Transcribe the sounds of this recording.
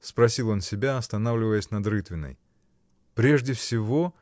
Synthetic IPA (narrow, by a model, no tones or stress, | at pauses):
spɾɐsʲilˠo̞nsʲɪbʲaɐst̪ɐnavlʲɪvəjəsʲnɐd̪rɨt̪vʲɪnːə̰j | pɾʲeʐdʲɪfsʲɪvo̞